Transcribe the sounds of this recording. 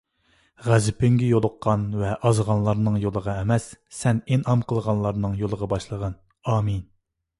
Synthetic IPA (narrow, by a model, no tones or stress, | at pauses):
ʁæzɪpɪŋɡʲɛjolˠʊqːɑnvɛʔɑzʁɑnlˠɑɾnɨŋjolˠəʁɑɛmɛsːɛnenɑmqəlˠʁɑnlˠɑɾnɨŋjolˠəʁɑbɑʃlˠəʁɑn | ɑːmin